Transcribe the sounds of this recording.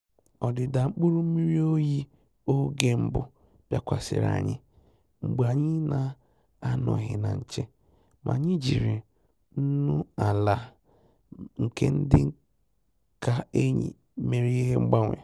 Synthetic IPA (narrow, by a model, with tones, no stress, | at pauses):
ɔ˨dɪ˨da˨ŋ͡m̩˦k͡pu˦ɾu˦m̩˦mi˦ɾi˦o˦ji˦ | o˦ɡe˦m̩˦bʊ˦ | b̥ja˦kʷa˨sɪ̰˨ɾa̰˨ɲɪ̰˦ | ŋ͡m̩˨ɡ͡ba˨ɲɪ˦na˨ | a˦nɔ̰˨ɦɪ̰˨na̰˨ɲ̩˨t͡ʃe˦ | mʔa̰˨ɲɪi˦d͡ʒi˨ɾɪ˨ | n̩˦nu˦a˨la˨ | ŋ̩˨ke˦n̩˦dɪ˦ | ka˦e˦ɲḭ˨˦ | me˨ɾi˦i˦ɦe˦ŋ͡m̩˦ɡ͡ba˦ŋʷḛ˨